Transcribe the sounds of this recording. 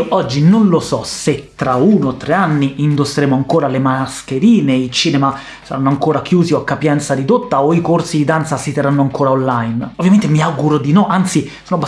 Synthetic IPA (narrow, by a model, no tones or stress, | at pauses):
ʔɔd͡ʒːinonlosɔset̪ːɾauːnoot̪ːɾeanːiind̪oseɾeːmoaŋkoːɾalemaskeɾiːneit͡ʃiːnɛma | sa̰ɾanːoaŋkoːɾak̟juːzioakːapjɛnt̪sad̪id̪ot̪ːaoikorsid̪id̪ant̪sasit̪erːanːoaŋkoːɾaonlajnovjament̪emiaɡuɾod̪inɔʔant̪sisoːnoba